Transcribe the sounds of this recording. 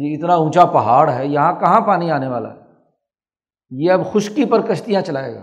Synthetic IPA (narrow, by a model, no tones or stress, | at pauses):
eɪt̪naũːt͡ʃapɐɦaːɽɦɛjɐɦãkɐɦãpaːniaːneʋa̰ːla̰ɦɛ | jeɐbxʊʃkipɐɾkɐʃt̪ijãt͡ʃɐlaːḛːɡa̰ː